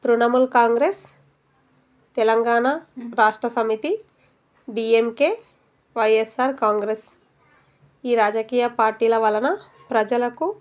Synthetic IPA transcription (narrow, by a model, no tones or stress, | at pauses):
t̪ɾunɐmulkaːŋɡɾes | t̪ɛlɐŋɡaːnaɾaːʂʈɾɐsɐmit̪i | ɖiːemkeː | ʋɐjesaːɾkaːŋɡɾes | iːɾaːd͡ʒɐkiːjɐpaːɾʈiːlɐʋɐlɐnɐ | pɾɐd͡ʒɐlɐku